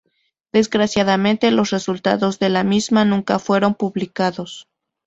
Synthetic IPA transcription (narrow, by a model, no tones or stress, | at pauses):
d̪e̞zɣɾasjaðamẽ̞nt̪e̞lo̞sre̞sult̪a̰ðo̞zðe̞lamizmanũŋkafwe̞ɾo̞mpuβlikaðo̞s